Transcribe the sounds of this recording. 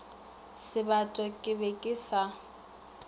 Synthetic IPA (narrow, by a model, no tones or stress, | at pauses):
sɪbatʼɔkʼɪbekʼɪsa